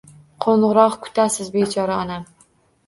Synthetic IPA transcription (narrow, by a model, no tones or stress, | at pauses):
qʰoɴʁɨɾɒqkʰʊ̥t̪ʰasɪzbet͡ʃʰɒɾaɒnam